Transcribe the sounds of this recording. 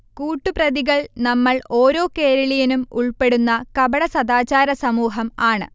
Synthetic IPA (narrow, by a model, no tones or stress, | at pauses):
kuːʈːuprɐðiɣɐɭnɐmːɐɭo̞ːɾo̞ːke̞ːɾɐɭijinumuɭpe̞ɽunːɐkɐbɐɽɐsɐd̪aːt͡ɕaːɾɐsɐmuːɦɐmaːɳɨ̰